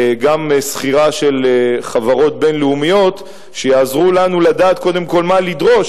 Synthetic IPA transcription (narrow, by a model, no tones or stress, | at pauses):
ɡamsχiʁaʃe̞lχavaʁo̞t̪̚be̞nleumijo̞t̪ | ʃejaːzʁulanulad̪aːt̪ko̞d̪e̞mko̞lmalid̪ʁo̞ʃ